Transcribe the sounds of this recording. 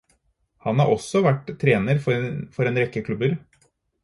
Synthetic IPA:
hɑnhɑɾʔɔsːɔʋæʈːt̪ʰːɾeːnəɾfɔfɔɾeːnɾɛkːəkʰlʉbəɾ

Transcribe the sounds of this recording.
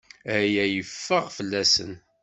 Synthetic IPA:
æjæjəfːəʁfəlːæsə̰n

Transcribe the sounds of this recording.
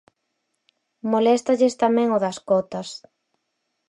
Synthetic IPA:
molɛst̪ɐʎɪst̪amɛ̃ŋoðɐskɔt̪ɐs

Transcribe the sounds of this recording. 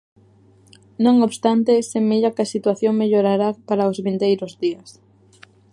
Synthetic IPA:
nõŋoβst̪ant̪esemeʎakɪɐsit̪waθjoŋmeʎoɾaɾapaɾaozβind̪ejɾʊzðiɐs

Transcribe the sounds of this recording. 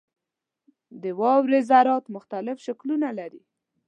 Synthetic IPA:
d̪əwɑwɾezaɾɑt̪mʊxt̪alɪfʃaklunalaɾi

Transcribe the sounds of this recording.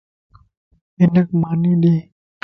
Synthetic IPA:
penːak̚maːniːdiː

